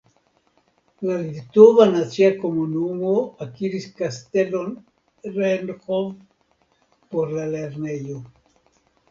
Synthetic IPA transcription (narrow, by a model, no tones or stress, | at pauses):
lalit̪ovanat͡siako̞munumoakiɾiskaste̞lon | ɾenxov | poɾlale̞ɾne̞jo